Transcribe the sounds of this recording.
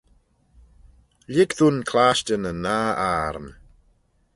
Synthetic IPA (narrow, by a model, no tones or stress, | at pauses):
lɪɡðunkʰlaʃtənənaːaːɾm